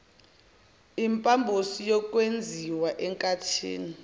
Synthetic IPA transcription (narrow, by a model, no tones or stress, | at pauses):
impʼambʱosijɔkʼwend͡zʱiwaʔɛŋkʼatʰḭːni